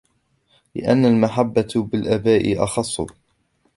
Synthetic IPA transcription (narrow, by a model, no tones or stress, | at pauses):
lɪ̰ʔanːalmaħabːabɪlʔabaːʔɪʔɑxɑsˤːʊ̰